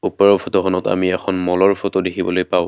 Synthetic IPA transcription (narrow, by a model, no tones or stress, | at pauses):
upaɹɔpʰotoxʰɔnɔta̰miɛxʰɔnmɔlɔɹpʰotodekʰibɔlojpaʊ̃